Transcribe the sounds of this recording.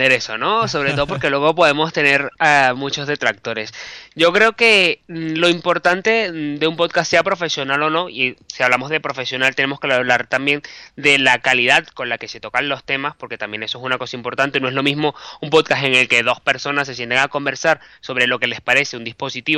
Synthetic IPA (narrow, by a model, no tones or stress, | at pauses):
eɾesono̞so̞βɾe̞t̪o̞ðo̞p̬o̞ɾke̞lwe̞ɣo̞po̞ðe̞mo̞st̪e̞ne̞ɾamut͡ʃo̞zðe̞t̪ɾak̚t̪o̞ɾesɟ͡ʝo̞kɾe̞o̞ke̞lo̞impo̞ɾt̪ant̪e̞d̪e̞umpoðkasːe̞apɾo̞fe̞sjo̞nalo̞no̞isiaβlamo̞zðe̞pɾo̞fesjo̞nalt̪e̞nemo̞skeβlaɾt̪ambje̞nd̪e̞lakaliðaðko̞nlake̞se̞t̪o̞kanlo̞st̪e̞maspo̞ɾke̞t̪ambje̞nesoe̞s̬unako̞saimpo̞ɾt̪ant̪e̞noe̞zlo̞mizmo̞umpo̞ðkase̞ŋe̞lke̞ðo̞spe̞ɾso̞nas̬ːe̞sje̞nt̪aŋako̞mbe̞ɾsaɾso̞βɾe̞lo̞ke̞le̞spaɾe̞se̞und̪ispo̞sit̪iβ